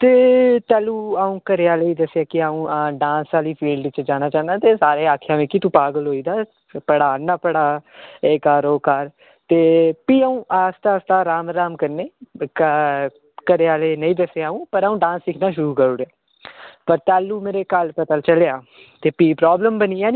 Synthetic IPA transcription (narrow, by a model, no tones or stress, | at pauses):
t̪eːt̪ɛːluːaːũːkəɾeaːleːiːd̪əseaːkɪaːũːɖãːsaːliːpʰiːlɖɪt͡ʃd͡ʒaːnaːt͡ʃaːnd̪aːt̪eːsaːɾeːaːkʰjãːʋẽːkit̪ũːpaːɡəlɦoːiːd̪aː | pəɽaːnːaːpəɽaːeːkaːɾoːkaɾ | t̪eːpiːaːũːʔast̪aːst̪aːɾaːmɾaːmkəɾneː | kəɾeaːleːnəĩːd̪əseaːũːpəɾaːũːɖãːnsːɪkʰnaːʃʊɾuːkəɾoːɾeaː | pəɾt̪ɛːlːuːmeːɾeːkəlpət̪aːlt͡ʃəleaː | t̪eːpiːpɾɔːbləmbəniːaːni